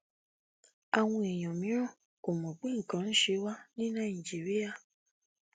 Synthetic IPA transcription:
a˨w̃ɔ̃˧e˨j̃ɔ̃˨mĩ˨˦ɾ̃ɔ̃˦˨ | ko˨mɔ̃˨ɡ͡bĩ˦ŋ̩˨kã˨˦n̩˦ʃe˧wa˦nĩ˦nã˦˨i˨d͡ʒi˨ɾi˦a˧

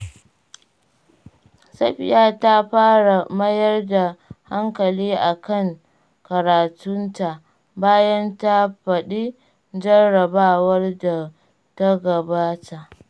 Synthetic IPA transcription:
sɐ˦ɸɪ˨jaː˦ta˦ɸaː˦ɽa˨mɐ˦jɐ˦rda˨ha˦ŋkɐ˨liː˦ʔa˨kɐ˦ŋ | kɐ˨ɾaː˨tʊ˦nta˨ʔ | baː˦jɐ˦nta˦ɸɐ˨ɗi˦ | d͡ʒɐ˦rɽɐ˨baː˦wɐ˦rda˨ | ta˦ɡɐ˨baː˦ta˨ʔ

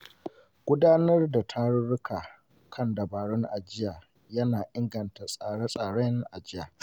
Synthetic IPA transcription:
ɡ̥ʷʊ˦daː˦nɐ˦rda˨tʰa˦ɽʊ˦ɽʊ˦kʰaː˨ | kʰɐ˦ndɐ˨baː˨ɽɔ˦ŋʔa˨d͡ʒɪ˦jaː˨ | jɐ˦naː˨ʔɪ˦ŋɡɐ˨nta˨sʼaː˨ɽa˦sʼaː˨ɽɛ˦ŋʔa˨d͡ʒɪ˦ja̰ː˨

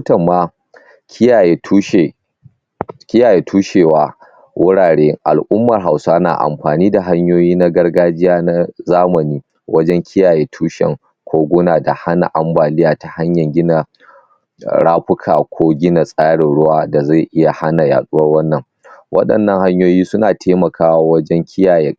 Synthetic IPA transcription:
tɐ˨mːaː˦ | kʲɪ˦ja˨je˨tuː˦ʃe˨ | kʲɪ˦jaː˨jeː˨tʰuː˦ʃeː˨waː˦ | wʔʊ˦ɽaː˨ɽeː˦ʔa̰˨lʔʊ˦mːɐ˨rɦa˨wsa˦na̰ː˨ʔa̰˨mɸaː˨niː˦da˨ɦa˦ɲjoː˦jiː˦na˦ɡɐ˦rɡaː˦d͡ʒɪ˦jaː˦na˦zaː˦mɐ˨niː˦ | wɐ˦d͡ʒɛ˦ŋkʲʰɪ˦jaː˨jeː˦tʰuː˦ʃɛ̰˨ŋ | kʷʰoː˦ɡʷʊ˦naː˨da˨ha˦na̰˨ʔa˨mbaː˨lɪ˦jaː˨ta˨ha˦ɲjɐ˨ŋɡʲɪ˦na˨ | ɽaː˦ɸʊ˦kʰaː˨kʷʰoː˦ɡʲɪ˦na˨sʼaː˦ɽɪ˨nɽʊ˦waː˦da˨za˦˨jʔɪ˦ja˨ha˦na˨ja̰ː˨ɗʼʊ˦wɐ˦rwɐ˦nːɐ˨ŋ | wʔɐ̰˦ɗɐ̰˨nːɐ˨ŋha˦ɲjoː˦jiː˦sʊ˦naː˨tʰeː˦mɐ˨kʰaː˦wa˦˨wɐ˦d͡ʒɛ˦ŋkʲʰɪ˦jaː˨je˦

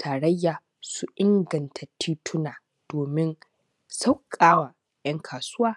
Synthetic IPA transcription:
tʰaː˨ɽɐ˦jːaː˨ | su˦ʔɪ˦ŋɡɐ˨ntʰa˨tʰiː˦tʰʊ˦naː˨ | d̥oː˨mɪ˦n | sa˦wkʼaː˦wa˨ | jɐ˦ŋkʰaː˨sʊː˦waː˦

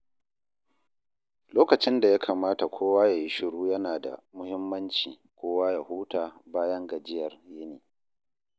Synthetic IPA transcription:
loː˦kɐ˨t͡ʃɪ˦nda˨ja˦kʰaː˨maː˦ta˨kʷʰoː˦waː˦ja˨ji˦ʃɪ˨ɽuː˦jɐ˦naː˨da̰˨mʊ˦hɪ˦mːɐ˦nt͡ʃḭː˨ | kʷoː˦waː˦ja˨huː˦taː˨baː˦jɐ˦ŋɡɐ˨d͡ʒɪ˦jɐ˨rjɪ˦niː˨

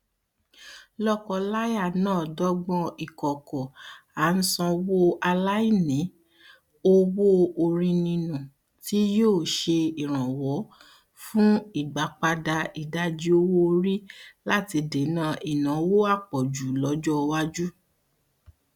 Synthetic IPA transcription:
lɔ˦kɔ˧la˦ja˦˨nãː˦˨dɔ˦ɡ͡bɔ̃˧i˨kɔ˨kɔ˨a˨˦n̩˦sɔ̃˧wo˦a˧la˦i˦˨nĩ˨˦ | o˦wo˦o˧ɾĩ˧nĩ˧nũ˨ | ti˦joː˦˨ʃe˧i˨ɾ̃ã˨wɔ˨˦ | fũ˦i˦˨ɡ͡ba˨˦k͡pa˧da˧i˨˧da˦d͡ʒi˦o˦wo˦ɾi˦la˦ti˧de˨˦nãː˦˨ʔi˨nã˨˦wo˦a˦˨k͡pɔ˨d͡ʒu˨lɔ˨˦d͡ʒɔ˦˧wa˦d͡ʒu˦

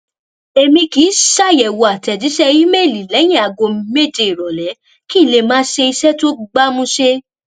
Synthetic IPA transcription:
e˧mĩ˧ki˨˦ʃa˦˨jɛ˨wo˨a˨tɛ˨di˨˦ʃɛ˦ji˦me˦˨li˨lɛ˨˦j̃ĩ˦a˨ɡo˧me˦˨d͡ʒe˧i˨ɾɔ˨lɛ˨˦ | ki˦˨le˧mãː˦ʃe˧i˧sɛ˦to˦ɡ͡ba˦mũ˧ʃe˦

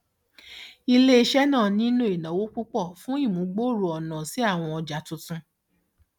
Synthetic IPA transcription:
i˧le˦i˦ʃɛ˦nãː˦˨nĩ˦nũ˦e˨nã˨˦wo˦k͡pu˦k͡pɔ˦˨fũ˦i˦˨mũ˨˦ɡ͡bo˦˨ɾu˨ɔ˨nã˨si˨˦a˦˨w̃ɔ̃˧ɔ˧d͡ʒa˨˦tũ˧tũ˧

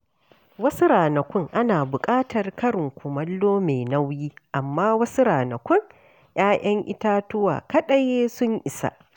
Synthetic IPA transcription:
wɐ˦su˦ɾaː˨nɐ˨kʷʊ˦ŋʔa˦naː˨bʊ˨kʼaː˦tɐ˨rkɐ˦ɽɪ˨ŋkʷʊ˨mɐ˦lːoː˦me˨nɐ˦wjiː˦ʔa˨mːaː˦wɐ˦su˦ɾaː˨nɐ˨kʷʊ˦ŋ | j̰aː˦j̰ʔɐ˦ŋʔɪ̰˦taː˦tʊ˦wa̰ː˨kɐ˦ɗɐ˨jeː˦sʊ˦ɲʔɪ˨sa̰˦ʔ

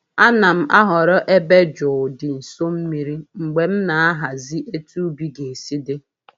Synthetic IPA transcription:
a˦na˨m̩˦ʔa˦ɦɔ˨ɾɔ˦ʔe˦be˦d͡ʒɔ˨ʊ˨dɪ˨n̩˨so˦m̩˦mi˨ɾi˦ŋ͡m̩˨ɡ͡be˨m̩˦na˨a˦ɦa˨zi˦ʔe˦tu˦bi˦ɡe˨si˦dɪ˦

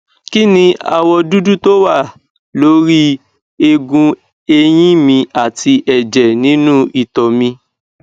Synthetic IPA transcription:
ki˦nĩ˧a̰˧wɔ˧du˦du˦to˦wa˦˨ | lo˨˦ɾi˦ | e˧ɡũ˧ | e˧j̃ĩ˦mĩ˧a˨ti˧ʔɛ˨d͡ʒɛ˨nĩ˨˦nũ˦i˦˨tɔ˨mĩ˧

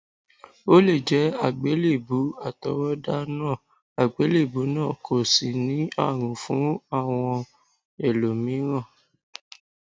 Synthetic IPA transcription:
o˦le˦˨d͡ʒɛ˨˦a˦˨ɡ͡be˨˦le˦˨bu˨˦a˦˨tɔ˨˦ɾɔ˦da˦nãː˦˨ | a˨ɡ͡be˨˦le˦˨bu˨˦nãː˦˨kʰo˨si˨nĩ˨˦a̰˦˨ɾ̃ũ˨fũ˨˦a˦˨w̃ɔ̃˧ | ɛ˨lo˨mĩ˨˦ɾ̃ã˦˨

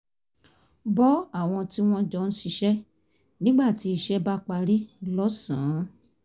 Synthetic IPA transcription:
bɔ˦a˦˨w̃ɔ̃˧ti˦w̃ɔ̃˦d͡ʒɔ˧˦˧ñ̩˦ʃi˧ʃɛ˦ | nĩ˦ɡ͡ba˦˨ti˨˦i˧ʃɛ˦ba˦k͡pa˧ɾi˦lɔ˦sã˨˦

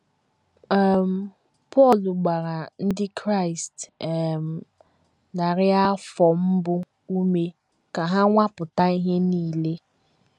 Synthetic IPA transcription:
a˨m̩˨ | pɔ˦˨lʊ˨ɡ͡ba˨ɾa˨n̩˦dɪ˦kɾa˦˨ɪ˨stm̩˨ | na˨ɾɪ˦a˦fɔ˨m̩˦bʊ˦ | u˦me˦ | ka˨ɦa˦ŋʷa˦pʊ˨ta˦i˦ɦe˦niː˦˨le˦

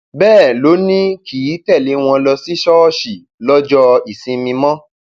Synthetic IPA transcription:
bɛː˦˨lo˨˦nĩ˦kʰi˨˦tɛ˦˨le˨˦w̃ɔ̃˧lɔ˧si˦ʃɔ˦ʃi˨ | lɔ˦d͡ʒɔ˦i˨sĩ˧mĩ˧mɔ̃˦

